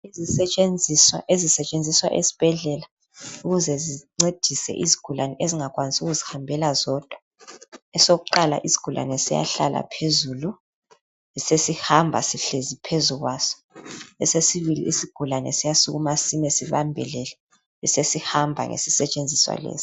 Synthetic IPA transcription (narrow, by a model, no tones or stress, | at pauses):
izisɛt͡ʃʼend͡zʱiswa̰ʔezisɛt͡ʃʼend͡zʱiswa̰ʔḛsi̥b̥ʱɛɮɛla | uɣuzɛziŋ͡ǀed̥ʱisɛ̰ʔiziɡ̥ʱulanɛʔeziŋak̬ʼwanisuɣuzihambʱɛlazɔd̥ʱwḁ | ɛsoɣuǃala̰ʔizi̥ɡ̥ʱula̰nɛsija̰ɬa̰la̰pʰezulu | isesihambʱa̰siɬezipʰezuɣwasɔ̥ | ɛsesiβilḭʔisiɡ̥ʱulanɛ̰sijasuɣumasimɛsiβambʱɛ̰lɛlɛ | ɛsesihambʱa̰ŋʔḛsisɛt͡ʃʼend͡zʱiswa̰lɛ̰ːz̥i̥